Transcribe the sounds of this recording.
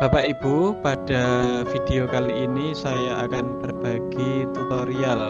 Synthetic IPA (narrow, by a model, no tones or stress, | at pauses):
b̥a̤paʔib̥upad̥afid̥eokaliːnisajaakanb̥ərb̥aɡ̥it̪ut̪oɾial